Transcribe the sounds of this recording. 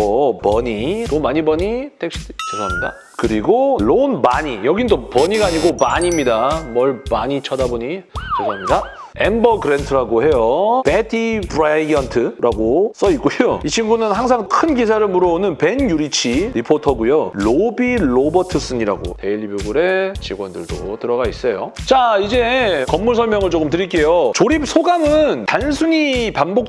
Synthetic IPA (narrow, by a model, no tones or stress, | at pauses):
ʌpʌɲilomaɲibʌɲitʰekɕ͈ʰi̥t͡ɕosʰaɦamɲida̰ | kɯɾiɡoɭonmaɲijʌɡindopʌɲiɡaːɲiɡomaɲimɲidamʌɭmaɲit͡ɕʰʌdaboɲit͡ɕsʰaɦamɲida | embʌɡɯɾentʰɯɾaɡohe̞jopetʰibɾaiʌntʰɯɾʔaɡos͈ʌik͈ujoit͡ɕʰinɡunɯnhaŋsʰaŋkʰɯnɡis̬ʰaɾɯɭmuɾʌnɯnpe̞njuɾit͡ɕʰiɾipʰotʰʌɡujoɭobiɭobʌtʰɯs͈ɯɲiɾa̰ɡo̰teʎːibjuɡuɾe̞t͡ɕiɡwʌndɯɭdo̰tɯɾʌɡais͈ʌjot͡ɕaid͡ʑe̞kʌmːuɭsʰʌɭmjʌŋɯɭt͡ɕok͈ɯmtɯɾiɭk͈e̞jot͡ɕoɾip̚sʰoɡamɯntansʰuɲipanbok̚